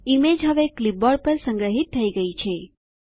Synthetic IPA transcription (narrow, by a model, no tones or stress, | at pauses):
imed͡ʒɦəʋeklip̚bɔɖ̚pəɾsə̃ŋɡɾəɦit̪ʰːəiɡəit͡ʃʰe